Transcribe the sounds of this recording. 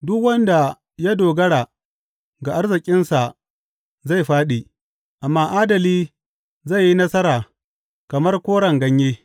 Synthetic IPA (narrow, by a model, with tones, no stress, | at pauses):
dʊ˦kwɐ˦nda˨ | ja˦doː˨ɡɐ˦ɽaː˨ | ɡa˨ʔa˦rzɪ˨kʲʼɪ˦nsa˨ | za˦˨jɸaː˦ɗiː˨ | ʔa˨mːaː˦ʔaː˦dɐ˨liː˦ | za˦˨jːi˦nɐ˦sɐ˦ɾaː˨ | kɐ˨mɐ˦rkʷoː˦ɽɐ˨ŋɡɐ˦ɲjeː˦